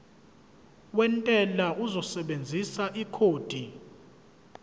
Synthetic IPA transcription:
wɛntʼɛlaʔuzɔsɛɓend͡zʱisaʔikʰoːd̥ʱi

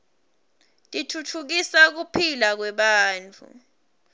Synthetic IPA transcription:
tʼitʰutʰuk̬isak̬upʰilak̬wɛɓaːnt͡fʰʼṵ

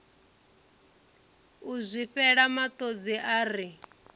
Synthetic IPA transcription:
uzʷiɸɛɺamat̪ʼod͡ziʔaːɾi

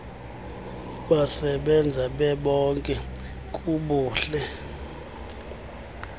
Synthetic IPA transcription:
ɓasɛɓɛnd͡zʱaɓɛɓɔŋkʼɛ | kʼuɓuːɬɛ

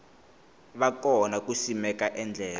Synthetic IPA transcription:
βakɔnak̬usimɛkaʔɛnd͡ɮʱɛːla

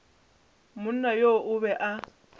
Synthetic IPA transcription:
mʊn̩najoʔʊβɛʔa

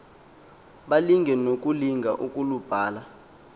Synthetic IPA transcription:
ɓaliŋɡʱɛnok̬ʼuliŋɡʱaʔukʼulub̥ʱaːla

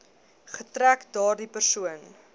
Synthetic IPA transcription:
χətɾækdɑːrdipərsuən

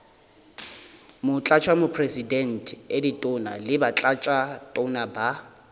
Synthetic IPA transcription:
mʊt͡ɬʼat͡ʃʰwamʊpʰresidɛn̩tʰʼeditʼʊna̰lɪbat͡ɬʼat͡ʃʼatʼʊnaba

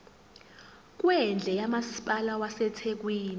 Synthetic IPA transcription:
k̬ʼwɛnd͡ɮʱɛjamasi̥pʼalawasɛtʰek̬wiːni

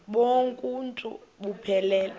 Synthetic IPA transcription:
ɓoŋkʼuntʼṵɓupʰɛlɛːl

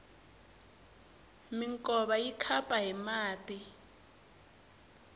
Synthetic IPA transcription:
miŋkʼɔɓajikʰapʼaɦimaːtʼi

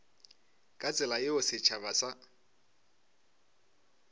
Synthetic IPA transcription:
kʼat͡sʼɪlaɪʊsɪt͡ʃʰaβasa

